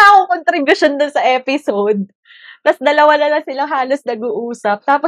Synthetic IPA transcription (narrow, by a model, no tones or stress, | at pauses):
aʔɐkoŋkont̪ɾɪbʊʃond̪ʊnsɐʔɛːpɪsod̪̚ | t̪ɐsd̪ɐlɐwanɐlɐŋsɪlaŋɦaːlosnɐɡuʔuːsɐp̚t̪aːpo